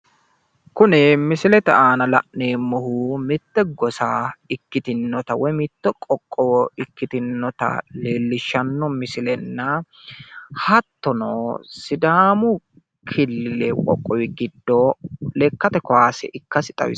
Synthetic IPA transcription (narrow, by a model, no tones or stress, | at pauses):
kʊnɛmɪsɪlɛt̪ɛaːnɐlɐ̰ʔneːmːɔhuːmɪt̪ːɛɡɔsaːɪkːɪt̪ɪnːɔt̪ɐwɔjmɪt̪ːɛkʼɔkʼːɔɪkːɪt̪ɪnːɔt̪ɐ̰leːlːɪʃːɐnːɔmɪsɪlɛnːɐ | hɐt̪ːɔnoːsɪd̪aːmʊ | kʰɪlːɪlɛkʼɔ̰kʼːɔwɪɡɪd̪ːolɛkːɐt̪ɛkɔaːsɛ̰ʔɪkːɐsɪt̪ʼɐ̰wɪ̰